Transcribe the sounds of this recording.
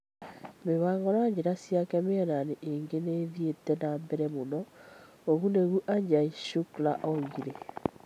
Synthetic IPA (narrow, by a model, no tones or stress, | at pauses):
meβaːŋɡɔɾaɲd͡ʑeɾasiakɛmeananeʔeŋɡeneːðietɛnaːmbɛɾɛmonɔ | oɣuneɣuʔaɲd͡ʑaiʃuklaʔɔɣiɾe